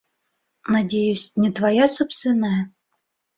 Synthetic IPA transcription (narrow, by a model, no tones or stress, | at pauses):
nɐdʲejʊsʲnʲɪt̪vajasɔpst̪ʲɪnajə